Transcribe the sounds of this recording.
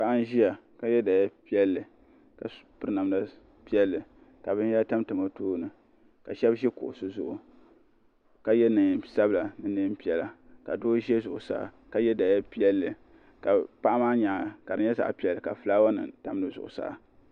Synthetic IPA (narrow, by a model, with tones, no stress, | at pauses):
pa˨ʔa˦n˦ʒi˦ja˨ka˨jɛ˦da˨ja˦pi˦ɛ˦lːɨ˨ | ka˨pɨ˦ɾna˨mda˦ | pi˦ɛ˦lːɨ˨ | ka˨bɨ˦n˦a˦ta˦mtɨ˨ma˨toː˦nɨ˨ | ka˨ʃɛ˦bʒɛ˦kʊ̰˨ʔʊ˨sɨ˦zʊ˦ʔʊ˨ | ka˨jɛ˦nɨ˨sa˦bla˨nɨ˨nɨ˦pi˦ɛ˨la˨ka˨doː˦ʒɛ˦zʊ˨ʔʊ˨sa̰ː˦˨ | ka˨jɛ˦da˨ja˦pi˦ɛ˦lːɨ˨ | ka˨pa˦ʔa˦maː˦ɲa˨ka˨dɨ˨˦ɲɛ˦za̰˨ʔpi˦ɛ˨lːɨ˨ka˨fɨ˨laː˦wa˦nɨ̰˨ta˨m˦dɨ˨zʊ̰˨ʔʊ̰˨sa̰ː˦˨